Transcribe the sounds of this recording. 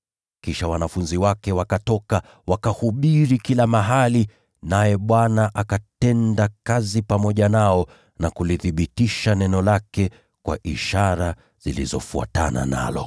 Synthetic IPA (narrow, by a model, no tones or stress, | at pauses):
kiʃawanafunziwakɛwakatɔka | wakahuɓiɾikilamaɦali | najɛɓwanaʔakatɛndakazipamɔʄanaɔ | nakuliθiɓitiʃanɛnɔlakɛ | kwa̰ʔiʃaɾa | z̥ilḭzɔ̰fua̰tana̰na̰lɔ̰